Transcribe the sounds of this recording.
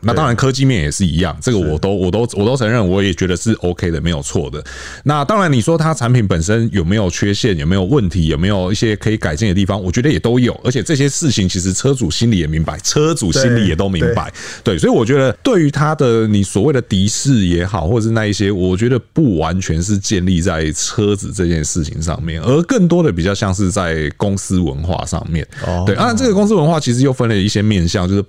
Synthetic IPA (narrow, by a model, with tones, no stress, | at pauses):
na˥˩t̪ɑ˥ŋɻa˧˦nkʰɤ˥˦t͡ɕi˥˧mjɛ˥˨˩njɛ̰˨˩ʂɻ̩˥˩ḭ˧˦˥jɑ̰˥˨ŋʈ͡ʂɤ˥˩ɡə˩wɔ˨˩t̪o˥ʊwɔ˨˩t̪o˥ʊwɔ˨˩t̪o˥ʊt͡sʰə˧˥ŋɻə˥˩nwɔ˧˥jɛ˨˩t͡ɕɥɛ˧˥d̪ə˨ʂɻ̩˥˩ʔo˥ʊkʰe˥ɪd̪ə˨me˧˥ɪjo˨˩ʊt͡sʰwɔ˥˩d̪ə˩ | na˥˨t̪ɑ˥ŋɻa˧˦ni˨˩ʂwɔ˥t̪ʰa˥ə˨t͡sʰa˧˥npi˨˩˦npə˨˩nʂə˦njo˨˩ʊme˧˥ɪjo˨˩ʊt͡ɕʰɥɛ˥ɕjɛ˥˩njo˨˩me˧˥ɪjo˨˩wə˥˩nt̪ʰi˧˦jo˨˩me˧˥ɪjo˨˩ʊi˥˩ɕjɛ˦kʰɤ˧˥i˨˩ka˨˩ɪt͡ɕɛ˥˩nə˩t̪̬i˥˩fɑ˦ŋwɔ˨˩t͡ɕɥɛ˧˥d̪ə˧˨jɛ˨˩t̪o˥ʊjo˨˩ʊʔə˞˧˥t͡ɕʰɛ˨˩t͡sɤ˥˧˩ɕ̬jɛ˥ʂɻ̩˥˩t͡ɕʰi˨˩ŋt͡ɕʰi˧˥ʂ̬ɻ̩˧˥t͡sʰɤ˥t͡su˨˩ɕi˥nli˨˥jɛ˨˩mi˧˥ŋpa˧˦ɪt͡sʰɤ˥t͡su˨˩ɕi˥nli˨˦jɛ˨˩t̪o˥ʊmi˧˥˦ŋba̰˧˦ɪt̪we˥˩ɪswɔ˧˥i˨wɔ˨˩t͡ɕɥɛ˧˦˥d̪ə˧t̪we˥˩ɪy˧˥t̪ʰa˥d̪ə˨ni˨˩swɔ˨˩we˥˩ɪd̪ə˩t̪i˧˥ʂɻ̩˥˩jɛ˧˥xɑ˨˩ʊxwɔ˥˨ə˩ʂɻ̩˥˧na˥˧i˥˩ɕjɛ˥wɔ˨˩t͡ɕɥɛ˧˥d̪ə˧˨pu˥˩wa˧˦nt͡ɕʰɥɛ˧˦nʂ̬ɻ̩˥˧t͡ɕjɛ˥˧nli˥˧t͡sa˥˩ɪt͡sʰɤ˦d͡zɹ̩˨˩t͡sɤ˥˧t͡ɕjɛ˥˧nʂɻ̩˥˩t͡ɕʰḭ˨˦ŋʂɑ̰˥˧ŋmjɛ̰˥˩nə˞˧˥kə˥˩ŋt̪wɔ˥d̪ə˨pi˨˩t͡ɕjɑ˥˧ʊɕjɑ˥˧ŋʂ̬ɻ̩˥˧t͡sa˥˩ɪkʊ˥ŋsɹ̩˥wə̰˧˦nxwa̰˥˧ʂɑ̰˥˧ŋmjɛ̰˥˨˩nwe˥˩ɪ˥na˥˩ʈ͡ʂə˥˩ɡə˩kʊ˥ŋs̬ɹ̩˥wə˧˦nxwa˥˩t͡ɕʰi˧˥ʂ̬ɻ̩˧˦jo˥˩ʊfə˥nlə˨i˥˩ɕjɛ˥mjɛ˥˧nɕjɑ˥˧ŋt͡ɕo˥˧ʊʂ̩˥˩